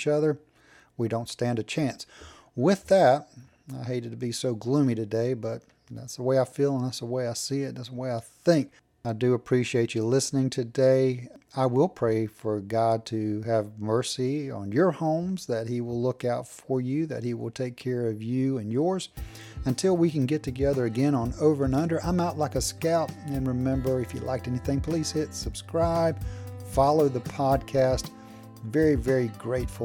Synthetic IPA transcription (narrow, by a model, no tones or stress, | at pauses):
t͡ʃʌðə˞ | widõʊ̃ntstæ̃ndɨt͡ʃʰæ̃ns | wɪðæt̚ | aɪɦeɪɾɨdʰəbisoʊɡlũmiɾɨdeɪbʌt̪̚ | ðæ̰tsðəweɪaɪfilˠə̃nðætsəweɪaɪsiɪt̪̚ðætsəweɪaɪθɪ̃ŋk̚ | aɪdɨəpʰɹ̥iʃieɪt͡ʃɨlɪsnɪ̃ŋtʰɨdeɪaɪwɪlˠpʰɹ̥eɪfə˞ɡɑd̚tʰɨɨvmɜ˞siə̰̃njə˞hõʊ̃mzðɨt̚hiwɪlʊkaʊtfə˞jʉðɨ̰t̚hiwɪ̰lˠtʰeɪkʰːɛɹʌvjʉɨ̃njɔɹz̥ | ɨ̃ntʰɪlˠwikɨ̃nɡɛtʰɨɡɛðə˞ɨɡɛ̃ñə̃noʊvə˞ɨ̃nʌ̃ndə˞ʔãɪ̃maʊtˡlaɪkɨskaʊp̚ɨ̃nɹɨmɛ̃mbə˞ɨfjɨ̰lʔa̰ɪk̚tɛniθɪ̃ŋpʰl̥iz̥hɪtsɨb̥skɹaɪb̥fɑlˠoʊðəpʰɑd̚kʰæst | vɛɹivɛɹiɡɹeɪtfl̩ˠ